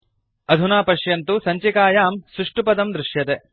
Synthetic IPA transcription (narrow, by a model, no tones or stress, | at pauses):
ɐd̪ʱunaːpɐʃjɐnt̪usɐɲt͡ʃikaːjaːmsɾuʂʈupɐd̪ɐmd̪ɾɪʂjɐt̪e